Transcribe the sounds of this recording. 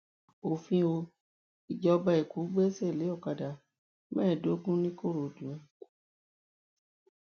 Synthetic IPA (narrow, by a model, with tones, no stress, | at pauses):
o˨fĩ˧o˧ | i˨d͡ʒɔ˧ba˧i˨ku˨˦ɡ͡bɛ˦sɛ˦˨le˨˦ɔ˦˨ka˨da˨ | mɛ̃ː˦ɛ˦˨do˨˦ɡũ˦nĩ˦ko˦˨ɾo˨dũ˨ɛ˧˦